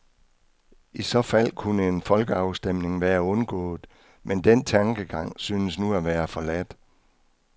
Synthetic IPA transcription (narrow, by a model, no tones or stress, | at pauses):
isɒ̽fæl̰kʰunəe̝nfɒ̽lɡ̥əɑ̈ʊsd̥em̰ne̝ŋʋæːɐɔ̽nɡ̥ɔ̰̽ːð̩ˠ | mend̥en̰t͡sʰɑ̈ŋɡ̥əɡ̥ɑ̈ŋ̰syːnəsnuæʋæːɐfɒ̽læd̥